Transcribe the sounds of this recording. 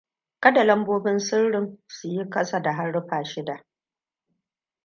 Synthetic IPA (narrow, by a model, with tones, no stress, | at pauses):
kɐ˦da˨lɐ˦mboː˦bɪ˦nsɪ˦rɽɪ˨ŋsʊ˨ji˦kɐ˦sa˨da˨ɦa˦ɽːɪ˦ɸaː˨ʃɪ˦da˨ʔ